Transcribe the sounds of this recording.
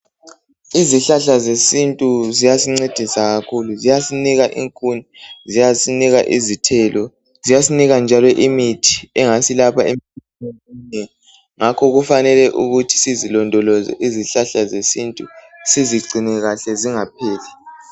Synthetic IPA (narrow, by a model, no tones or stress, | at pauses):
iziɬaɬazesintʼuzijasiŋ͡ǀed̥ʱisaɣakʰuluzijasiniɣaʔḭŋkʼunizijasiniɣaʔḭzitʰɛlʔɔ | zijasiniɣand͡ʒʱalɔʔimitʰi̥ɛŋasilapʰaemtʰɛ | neɛ | ŋakʰɔɣufanɛlɛʔuɣutʰi̥sizilɔndʱɔlɔzɛ̰ʔiziɬaɬazesintʼusiziɡ͡ǀʱinɛɣaɬɛziŋap̚ʰɛːlɛ